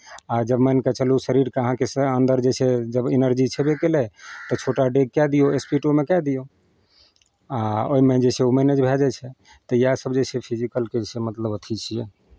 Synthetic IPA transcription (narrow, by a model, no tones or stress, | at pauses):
ad͡ʒəbmɛnkɛt͡ʃəlusəɾiɾkəɦãkesəənd̪əɾd͡ʒesʰed͡ʒəbenəɾd͡ʒit͡ʃʰɛbekelɛt̪ɔt͡ʃʰoʈaɖeɡ̚kɛd̪ijoespiʈomekɛd̪ijo | aoimẽd͡ʒeseumɛned͡ʒbʱɛd͡ʒɛt͡ʃʰɛ | t̪əjasəbd͡ʒesʰepʰid͡ʒikəlkesemət̪ləbot̪ʰit͡ʃʰijɛ